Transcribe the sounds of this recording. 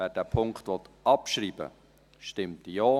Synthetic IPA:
æd̥æːpʰʊŋkχtʋɔt̪ɑpʃɾiːb̥ə̰ | ʃtɪmt̪ijoː

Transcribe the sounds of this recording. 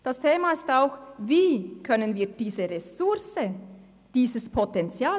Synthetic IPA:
d̥astʰeːmaɪstaʊxviːkʰœnənviːd̥iːzəʁesʊɾsə | d̥iːzəspʰotɛnt͡sjaː

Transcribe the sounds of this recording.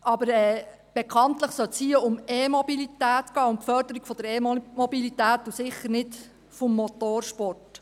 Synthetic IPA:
ɑbəɾɛː | b̥ekʰɑnt̪ləχsœltshiəʊmeːmɔbilit̪æːtɡ̥ɑːʊnpfœɾdəɾiɡ̥fɔd̥̪əɾeːmɔbilitæːtːusɪχːəɾnɪt | fɔmːot̪oːɾʃpɔrt

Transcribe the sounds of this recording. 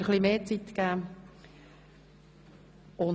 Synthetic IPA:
əχlimeːt͡sit̪kæː | ʊn

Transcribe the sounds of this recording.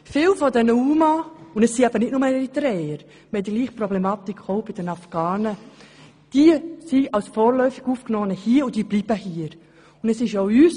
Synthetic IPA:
fɪːlfɔdɛnəuːmaʊndɛsːiɛb̥ənɪtnʊməɾitɾɛːəɾ | mɛldəɡ̥liːχprɔblemɑːt̪ikʰoʊbɪd̥ənɑfɡ̥ɑːnə | d̥iəsiʔɑlsfɔːɾlœʏfɪɡ̥uːfknɔːənəhiːʊndiːbliːb̥əhiːəɾ | ʊndɛsɪʃoʊyːs

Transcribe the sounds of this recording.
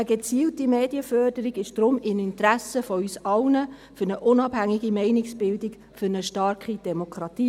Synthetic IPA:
əɡət͡siːltimeːdiəfœrd̥əɾiɡɪʃd̥ɾʊmɪnɪntɾæsəfɔysɑʊnə | fyɾnəʔʊnɑbhæŋiɡimɛɪnɪksb̥ɪldik | fʏɾnəʃtɑːɾkid̥ɛmokʰɾɑtiː

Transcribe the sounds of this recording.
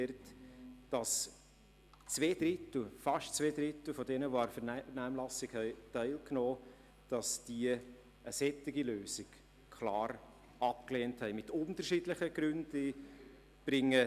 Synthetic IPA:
ɾtd̥ɑs | t͡sveːd̥̪ɾɪtl̩fɑʃt͡sʋeːdɾɪt̪l̩fɔdɛnəʋoaɾfəɾnnæːmlɑsɪkhɛɪtɛɪlknoː | d̥ɑsd̥iə | əsɛtːɪɡiløːsɪk | kʰlɑːɾ | ɑp̚kleːnthɛɪmɪtʊntərʃiːdləχəɡ̥ɾʏndi | b̥ɾɪŋːə

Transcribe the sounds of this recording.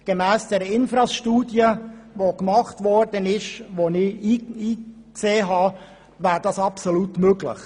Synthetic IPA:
ɡ̥emæːsd̥ɛɾəɪnfɾɑsʃtuːdjəvokmɑχtvɔɾd̥ənɪʃʋonɪiiː | kseːɦɑː | væːɾd̥ɑsɑpsolutmøɡlɪ̰χ

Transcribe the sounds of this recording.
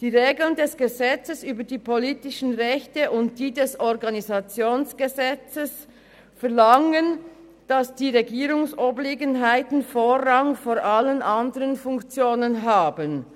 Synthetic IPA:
d̥iːʁeːɡl̩ndɛsɡ̥əzɛt͡səsyːbədiːpʰoliːtɪʃn̩ʁɛçtəʔʊnt̚d̥iːdɛsɔʁɡanizat͡sjoːnsɡ̥əzɛt͡səs | fɛɐlaŋən | d̥asd̥iːʁeɡiːʁʊŋsobleːɡənɦaɪtn̩foːʁɑŋfoːɾʔalənʔandəʁənfʊŋkt͡sjoːnənɦaːbən

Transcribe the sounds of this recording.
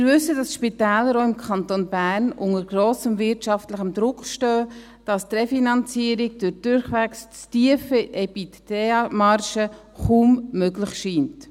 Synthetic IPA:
ɪɾvʏsːəd̥ɑsʃpitæːləɾoːɪmkʰɑntonbæːɾnʔʊŋəɾɡ̥ɾoːsəmvɪrtʃɑftləχəmdɾʊkχʃtøː | d̥ɑstrɛfinɑnt͡siəɾiɡ̚d̥ød̥ʊɾχʋækst͡stiəfəʔɛpitteɑmɑrʃə | χummøɡləχʃiːnt

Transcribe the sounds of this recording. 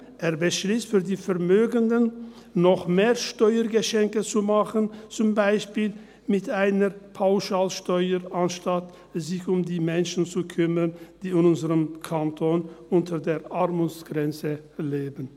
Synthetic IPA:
ʔeːɐbəʃlistfyːɐdiːfɛɐmøːɡəndənː | ɔχmeːʁʃtɔʏəɡəʃɛŋkət͡sumaχənt͡sʊmbaɪʃpiːl | mɪtaɪnəpʰaʊʃaːlʃtɔʏəanʃtat | zɪçʊmdiːmɛnʃn̩t͡sukʰʏmənd̥iːɪnʊnzəʁəmkʰantʰoːnʔʊntʰədeːɐʔaʁmʊsɡ̥ʁɛnt͡səleːbən̩

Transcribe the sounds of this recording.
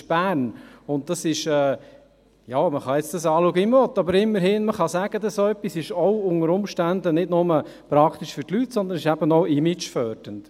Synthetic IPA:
ʃb̥æːɾnʊnt̚d̥ɑsɪʃɛː | jɑːməχɑjɛt͡sd̥̪ɑsɑːluɡəimvɔt̪ːɑbəɾɪmːəɾhɪːnməχɑsæɡ̥əd̪ɑsoɛpːisɪʃɔʊʊŋəɾʊmʃtænd̪ənɪdnʊmə | pɾɑkt̪iʃfʏɾtlytsɔnd̪ənɪʃæbənɔʊɪmɪt͡ʃfœɾd̥ənt

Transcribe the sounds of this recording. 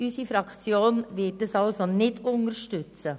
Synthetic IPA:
ysifɾɑkt͡sjoːnvɪt̚d̥əsɑlsonɪdʊŋəɾʃtʏt͡sə

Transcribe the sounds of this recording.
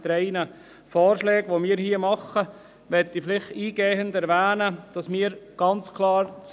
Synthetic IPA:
dɾɛɪnə | fɔːɾʃlɛːɡʋomiːɾhiːəmɑχːə | ʋɛtːiflɪχtiːɡeːəndæɾʋæːnəd̥ɑsmiːɾɡ̥ɑnt͡skʰlˠɑːɾt͡s

